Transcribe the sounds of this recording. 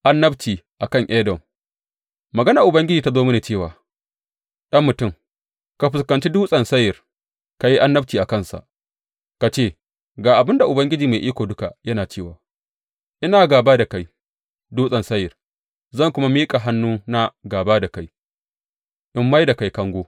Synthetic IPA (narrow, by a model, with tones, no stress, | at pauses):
ʔa˦nːɐ˦btiː˨ʔa˨kɐ˦˨ŋʔɛ˦dɔ˨m | mɐ˨ɡɐ˦na˨ʔʊ˨bɐ˦ŋɡʲɪ˦d͡ʒiː˨ta˦zoː˦mɪ˦neː˨t͡ʃeː˦˨waː˨ | ɗɐ˦mːʊ˨tʊ˦˨m | ka˨ɸɪ˨skɐ˨nt͡ʃi˦duː˦sʼɐ˨nsɐ˦jːɪ˨r | ka˨ji˦ʔa˦nːɐ˦b̚tiː˨ʔa˨kɐ˦˨nsa̰˨ʔ | ka˨t͡ʃeː˦˨ | ɡaː˨ʔa˨bɪ˦nda˨ʔʊ˨bɐ˦ŋɡʲɪ˦d͡ʒiː˨ma˨ʔiː˦kʷoː˨dʊ˦ka˨jɐ˦naː˨t͡ʃeː˦˨wa̰ː˨ | ʔɪ˦naː˨ɡaː˨baː˦da˨ka˦j | duː˦sʼɐ˨nsɐ˦jːɪ˨r | zɐ˦˨ŋkʷʊ˦ma˦miː˦kʼa˨ɦa˦nːuː˦na˦ɡaː˨baː˦da˨ka˦j | ʔɪ˦mːa˦jda˨ka˨jkɐ˦ŋɡʷoː˦